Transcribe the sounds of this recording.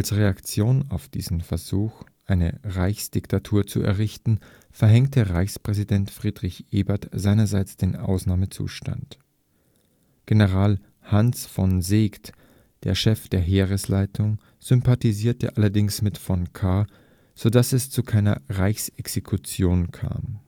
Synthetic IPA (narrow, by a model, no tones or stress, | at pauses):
alsʁeakt͡sjoːna̰ʊfd̥ḭːzn̩fɛɐzuːxʔaɪnə̰ʁaɪçsd̥ɪktʰatʰuːɐt͡sṵɛ̰ɐʁɪçtn̩ | fɛɐɦɛŋtəʁaɪçspʁ̥ɛzidɛntfʁ̥iːdʁɪçʔeːbɐtz̥aɪnɐzaɪt͡sd̥eːnʔa̰ʊsnaːmət͡sṵːʃta̰nt | ɡ̥enəʁaːl | hansfɔnzeːkt | d̥ḛːɐʃɛfd̥eːɐɦeːʁəslaɪtʰʊŋ | z̥ʏmpatiziːɐtə̰ʔalɐdɪŋsmɪtfɔnkʰaː | z̥odasɛst͡sukʰaɪnɐ̰ʁaɪçsɛksekʰut͡sjoːnkʰa̰ːm